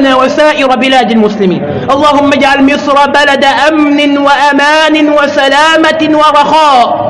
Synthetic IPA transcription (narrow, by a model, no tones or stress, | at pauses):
naːwasaːʔɪɾabɪlaːd̪almʊslɪmḭːn | ʔɑlˤːɑːhʊmːad͡ʒʕalmɪsɾˤɑbalad̪aʔamnɪwaʔamaːnɪwasalaːmawɑɾˤɑxɑːʔ